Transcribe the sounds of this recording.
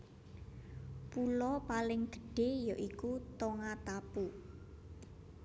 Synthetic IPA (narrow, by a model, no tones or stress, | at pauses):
pulɔpalɪŋd̪̥ə̥̤ɖ̥e̤jɔʔikut̪oŋat̪apu